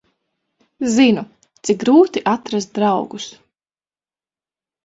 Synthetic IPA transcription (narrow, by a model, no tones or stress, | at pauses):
zinu | t̪sik̚ɡɾuːt̪iʔat̪ɾas̬t̪̚d̪ɾawɡus